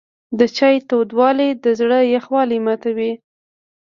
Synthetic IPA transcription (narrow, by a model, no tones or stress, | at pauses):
d̪ət͡ʃɑjt̪od̪wɑlid̪əzɽəjaxwɑlimat̪awi